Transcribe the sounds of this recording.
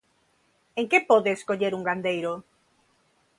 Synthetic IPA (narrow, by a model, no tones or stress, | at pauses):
eŋkepoðeːskoʎeɾuŋɡand̪ejɾo